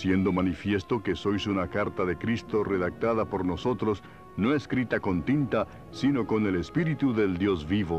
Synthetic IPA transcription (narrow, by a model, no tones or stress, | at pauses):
sje̞nd̪o̞manifje̞st̪o̞ke̞so̞jsunakaɾt̪aðe̞kɾist̪o̞reðak̚t̪aðapo̞ɾno̞so̞t̪ɾo̞s | no̞eskɾit̪ako̞nt̪int̪a | sino̞ko̞ne̞lespiɾit̪uðe̞ld̪jo̞zβiβo